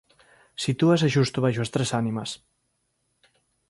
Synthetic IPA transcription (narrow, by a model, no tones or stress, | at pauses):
sit̪uaseʃust̪uβajʃuɐst̪ɾesanimɐs